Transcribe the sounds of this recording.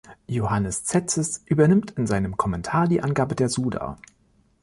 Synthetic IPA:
johanəst͡sɛt͡səsʔyːbɐnɪmtɪnzaɪnəmkʰɔmɛntʰaːɐdiːʔanɡaːbədeːɐzuːda̰

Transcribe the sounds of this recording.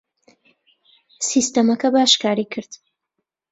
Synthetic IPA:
sist̪ɐmɐkɐbaːʃkaːɾikʰɨɾd̪̥

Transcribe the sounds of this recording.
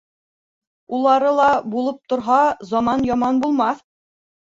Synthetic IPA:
ulˠɑɾɤlˠɑbulˠɤp̚t̪ŏɾɦɑzɑmɑnjɑmɑnbulˠmɑθ

